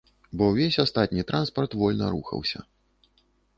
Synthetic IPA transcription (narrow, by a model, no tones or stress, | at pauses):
bɔwvʲesʲast̪at̪ʲnʲit̪ɾʔanspɐrt̪vɔlʲnɐɾuxɐ̰wsʲɐ̰